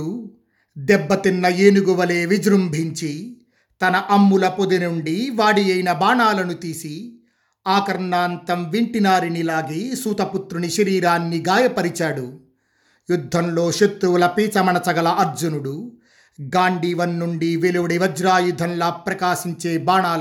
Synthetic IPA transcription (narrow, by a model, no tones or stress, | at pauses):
u | d̪ɛbːɐt̪inːɐjeːnuɡuʋɐleːʋid͡ʒɾumbʱiɲt͡ʃi | t̪ɐnɐʔɐmːulɐpod̪inuɳɖiʋaːɽijɐjnɐbaːɳaːlɐnut̪iːsi | aːkɐɾɳaːnt̪ɐmʋiɳʈinaːɾinilaːɡiːsuːt̪ɐput̪ɾuniʃɐɾiːɾaːnːiɡaːjɐpɐɾit͡ʃaːɽu | jud̪ʱːɐmlo̞ːʃɐt̪ɾuʋlɐpiːt͡ʃɐmɐɳɐt͡ʃɐɡɐlɐʔɐɾd͡ʒunuɽu | ɡaːɳɖiːʋɐnːuɳɖiʋeluʋɐɽiʋɐd͡ʒɾaːjud̪ʱːɐnlɐpɾɐkaːʃiɲt͡ʃe̞ːbaːɳaːl